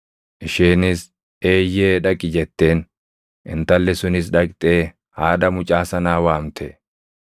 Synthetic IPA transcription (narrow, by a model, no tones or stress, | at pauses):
ʔɪʃeːnɪs | e̞ːjeːᶑɐkʼɪd͡ʒɛt̪ːe̞ːn | ʔɪ̰nt̪ɐlːɛsʊnɪs̬ᶑɐkʼt̪ʼe̞ː | haːd̪ɐmʊt͡ʃʼaːsɐnaːwaːmt̪ʰɛ